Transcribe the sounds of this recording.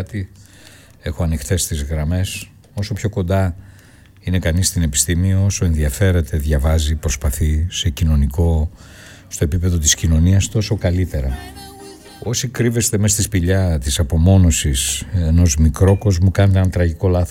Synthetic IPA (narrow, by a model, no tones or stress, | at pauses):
t̪i | e̞xo̞ɐnixt̪e̞st̪izɣɾɐme̞s | o̞so̞pço̞ko̞nd̪ɐ | ine̞kɐnist̪ine̞pi̥st̪imioo̞so̞e̞nðiɐfe̞ɾe̞t̪e̞ðʝɐvɐzipɾo̞spɐθise̞cino̞niko̞ | st̪o̞e̞pipe̞ðo̞t̪iscino̞niɐst̪o̞so̞kɐlit̪e̞ɾɐ | o̞sikɾive̞st̪e̞me̞st̪ispiʎɐt̪isɐpo̞mo̞no̞sise̞no̞zmikɾo̞ko̞zmokɐnet̪eenɐt̪ɾɐʝiko̞lɐθos